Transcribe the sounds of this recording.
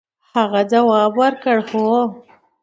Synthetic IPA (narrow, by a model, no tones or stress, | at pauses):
haɣad͡ʒawɑːbwaɾkəɽxo